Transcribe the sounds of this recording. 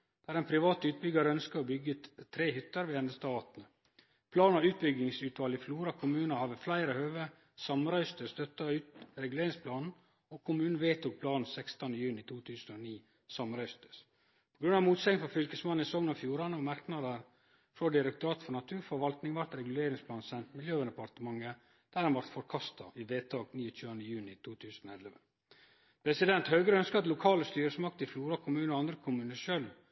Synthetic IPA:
d̪̥æːɾɛnpʰɾɪʋɑːt̪ʉːt̪̚bʏɡɑɾəœnskəɾɔbʏɡət̪t̪ʰːɾeːhʏt̪ːəɾʋɛɛnd̪əst̪ɑːt̪nə | pʰlɑːnɑʉːt̪̚bʏɡɪŋsʉːt̪ʋɑːlɪfluːɾɑkʰʊmʉːnɑhɑʋəflæɪɾəhøːʋə | sɑmɾœʏst̪əst̪œt̪ːɑʉːt̪ɾɛɡʉleːɾɪŋspʰlɑːnn̩ | ɔkʰʊmʉːnn̩ʋeːt̪uːk̚pʰlɑːnn̩sɛkst̪ɑnəjʉːnɪt̪ʰuːt̪ʰʉːsn̩ɔniː | sɑmɾœʏst̪ə̥s | pʰɔɡɾʉnɑʋmuːt̪sɛɪŋfɔfʏlkəsmɑnːɪsɔŋnɑfjuːɾɑnɑmɑɾknɑd̪əɾ | fɾɔd̪ɪɾɛkt̪ʊɾɑːt̪fɔɾɳɑt̪ʰʉːɾfɔɾʋɑlt̪nɪŋʋɑɾt̪ɾɛɡʉleːɾɪŋspʰlɑːnsɛnt̪mɪljøːɛd̪ɛpɑɾt̪əmɑŋːə | d̪̥æɾhɑnʋɑɾt̪fɔɾkʰɑst̪ɑ̰ʔɪʋeːt̪ʰɑːɡniːɔt̪ʰʉːənd̪əjʉːnɪt̪ʰuːt̪ʰʉːsn̩ɔɛləʋə | pʰɾɛsɪd̪ɛnt̪hœːɡəɾəœnskəɑt̪lʊkʰɑːləst̪yːɾəsmɑk̚t̪ɪfluːɾɑkʰʊmʉːnɔɑnd̪ɾəkʰʊmʉːnəʂøːl

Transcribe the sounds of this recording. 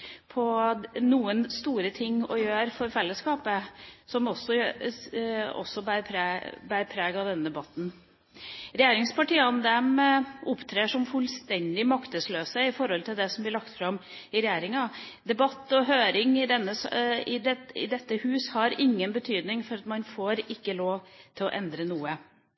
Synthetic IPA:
pʰɔnuːənst̪uːɾət̪ʰɪŋːɔjøːɾfɔɾfɛlːəskɑːpəsɔmɔsːɔ | ɔ̰sːɔbæɾpʰɾbæɾpʰɾeːɡɑd̪ɛnːəd̪ɛbɑt̪ːn̩ | ɾɛjeːɾɪŋspɑʈiːɑnd̪ɛmʊpt̪ʰɾeːʂɔmfʉlst̪ɛnd̪ɪmɑkt̪əsløːsəɪfɔɾhɔlt̪ʰɪld̪ɛsɔmblɪɭɑkt̪fɾɑmɪɾɛjeːɾɪŋɑd̪ɛbɑt̪ːɔɦøːɾɪŋɪd̪ɛnːəsɪd̪ɛɪ̰d̪ɛt̪ːəhʉːshɑɾɪŋːənbət̪ʰyːd̪nɪŋfɔɾɑt̪mɑnfoːɾɪkːəloːʋt̪ʰɪlɔ̰ʔɛnd̪ɾənuːə

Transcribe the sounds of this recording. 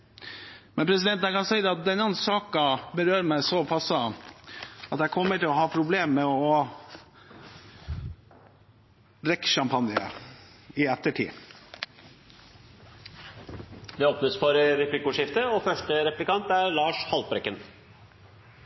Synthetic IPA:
mɛnpʰɾɛsɪd̪ɛnt̪æɪkɑnsɛɪd̪ɛɑt̪̚d̪ɛnːɑnsɑːkɑbəɾøːɾmæɪsɔpʰɑsə | ɑt̪jæɪkʰɔmːəʈɪlɔɦɑːpʰɾʊbleːmːɛɔ | d̪ɾɛkːʃɑmpʰɑnjɪə̰ | ɪɛt̪ːəʈʰḭː | ʋɪoːpnəsfɔɾɾɛpʰlɪkʊʂɪft̪əɔfœʂʈəɾɛplɪkʰɑnt̪æɾlɑːʂhɑlbɾɛkːən

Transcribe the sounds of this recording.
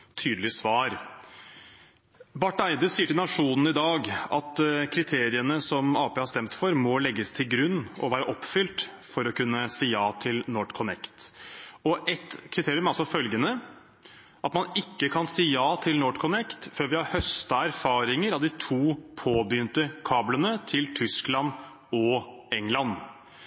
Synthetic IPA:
t̪ʰyːd̪əlɪsʋɑːɾ | bɑʈːæɪd̪əsiːəʈɪlnɑʂuːnn̩ɪd̪ɑːɡɑt̪kʰɾɪt̪ʰeːɾɪənəsɔmɑːpʰeːhɑɾst̪ɛmt̪fɔɾmɔlɛɡːəst̪ʰɪlɡɾʉnːɔ̰ʋæːɾəʔɔpːfʏlt̪ | fɔɾɔkʉnːəsiːjɑːt̪ʰɪlnoːʈkʰɔnɛkt̪ɔʔɛt̪kʰɾɪt̪ʰeːɾɪʉmɑlsɔfœlɡənə | ʔɑt̪mɑnɪkːəkʰɑnsiːjɑːt̪ʰɪlnoːʈkʰʊnɛkt̪føːɾʋɪhɑɾhœst̪ɑæɾfɑːɾɪŋəɾɑd̪ɪt̪ʰuːpʰoːbjʏnt̪əkʰɑːblənət̪ʰɪlt̪ʰʏsklɑn | ɔ | ɛŋlɑn

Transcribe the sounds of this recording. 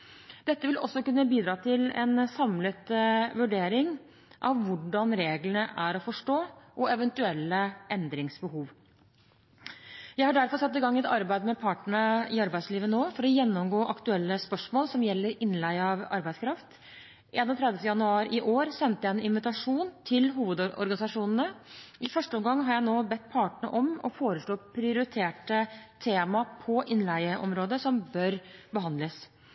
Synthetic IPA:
d̪̥ɛt̪ːəʋɪlɔsːɔkʉnːəbiːd̪ɾɑːt̪ʰɪlɛ̰nsɑmlət̪ʋʉɖeːɾɪŋ | ʔɑʋʋʊɖɑnɾeːɡlənəʔæɾɔfɔʂʈoːʔɔɛʋɛnt̪ʉɛlːəʔɛnd̪ɾɪŋsbəhuːʋ | jæɪhɑɖæɾfɔɾsɑt̪ːɪɡɑŋːɛt̪ɑɾbæɪd̪mɛpʰɑʈəɳəɪɑɾbæɪsliːʋənoːfɔɾɔjɛnːɔmɡoːʔɑkt̪ʉɛlːəspœʂmoːlsɔmjɛlːəɾɪnːlæɪɑʋɑ̰ɾbæɪd̪skʰɾɑft̪ | ʔeːnɔt̪ʰɾɛd̪jəft̪əjɑnʉɑːɾʔɪʔoːɾsɛnt̪əjæɛnɪnʋɪt̪ɑʂuːnt̪ʰɪlɦuːʋəd̪ɔ̰ɾɡɑnɪsɑʂuːnənəʔɪfœʂʈəɔmɡɑŋːɦɑɾjæɪnoːbɛt̪ːpʰɑːʈəɳə̰ʔɔmɔ̰foːɾəsloːpʰɾɪʊɾɪt̪ʰeːʈət̪ʰeːmɑpʰɔʔɪnlæɪəʔɔ̰mɾoːd̪əsɔmbœɾbəɦɑnd̪ləs

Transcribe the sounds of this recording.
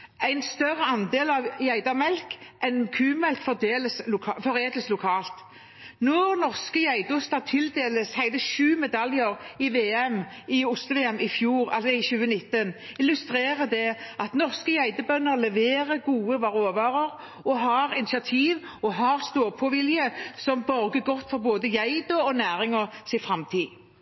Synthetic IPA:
æɪnst̪œrːəɑnd̪eːlɑʋjæɪd̪ɑmɛlkʔɛnkʰʉːmɛlkfɔd̪eːləsʊfɔɾeːd̪ləslʊkʰɑːlt̪ | nɔɾnɔʁskəjæɪd̪əʊst̪ɑt̪ʰɪld̪eːləshæɪd̪əʃʉːmɛd̪ɑljəʁɪʋeːɛm | ɪʊst̪əʋeːɛmɪfjuːɾɑ̰lsɔɪçʉːənɪt̪ːənɪlːʉst̪ɾeːʁəd̪ɛɑt̪nɔʁskəjæɪd̪əbœnːəɾlɛʋeːʁəɡuːəʋɑʁoːʋɑːʁəʁ | ɔɦɑɾɪnɪsɑt̪ʰiːʋ | ɔɦɑʁst̪oːʁpʰɔʋɪljəsɔmbœɾɡəɡɔt̪ːfɔɾboːd̪əjæɪd̪ɔɔnæːɾɪŋɔsɪfʁɑmt̪ʰiː

